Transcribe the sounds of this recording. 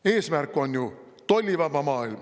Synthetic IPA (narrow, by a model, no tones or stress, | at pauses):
eːsmærkːˑonju | t̪olʲːiʋɑʋɑmɑːilmɑ